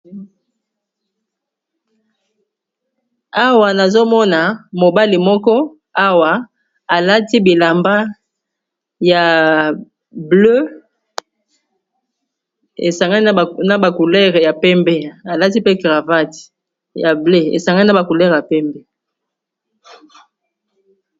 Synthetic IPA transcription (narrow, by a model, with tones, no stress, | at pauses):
a˦wa˨na˨zo˦mɔ˦na˨mo˨ba˦li˨mɔ˦kɔ˦ | a˦wa˨ | a˨la˦ti˦bi˨la˨mba˦ | ja˨ | blø˦ | ḛ˨sa˨ŋɡa˦n˦˨na˦ba˨ku˨lɛ˦ʁe˨ja˨pɛ˦mbe˦a˨la˦ti˦pe˦ɡʁa˨va˦ti̥˨ | ja˨ble˦ḛ˨sa˨ŋɡa˦ni˦na˦ba˨ku˨lɛ˦ʁja˨pɛ˦mbɛ˦